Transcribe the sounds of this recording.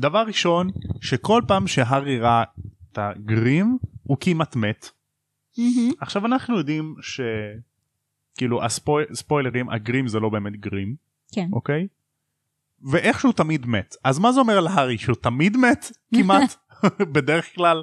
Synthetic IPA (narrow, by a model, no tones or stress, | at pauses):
d̪avaʁːiʃo̞nʃeko̞lpaːmʃeɦaʁiʁataɡʁimukimat̪met̪ | aχʃavanaχnujo̞d̪imʃe̞ | kiːluʔa̰spospo̞jleʁimʔa̰ɡʁimzelo̞be̞ːmet̪ɡʁim | ʔokej | veʔe̞χʃeut̪amid̪metʔazmazeo̞meʁlɦaʁiʃeutamid̪met̪ | kimat | bedeʁeχklal